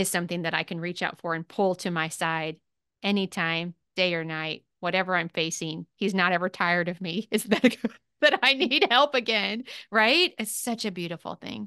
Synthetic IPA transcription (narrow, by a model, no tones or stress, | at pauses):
ɨz̥sʌ̃mθɪ̃ŋðɨɾaɪkʰɨ̃n̩ɹit͡ʃaʊtfə˞ɨ̃npʰʊlˠtʰɨmaɪsaɪɾ | ɛnitʰãɪ̃md̥eɪə˞naɪt̚wʌɾɛvə˞ãɪ̃ɱfeɪsɪ̃ŋiznəɾɛvə˞tʰaɪə˞ɾʌvmiɨzðɨtɡ | ðɨɾaɪnid̚hɛlˠpɨɡɛ̃nɹaɪt̚ɨtsʌt͡ʃɨbjʉɾɨfl̩ˠθɪ̰̃ŋ